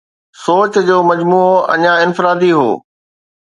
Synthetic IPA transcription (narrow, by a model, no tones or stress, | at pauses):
soːt͡ɕd͡ʑoːmɐd͡ʑmuːoɐ̰ɲãɪnfɪɾaːd̪iɦo̰ː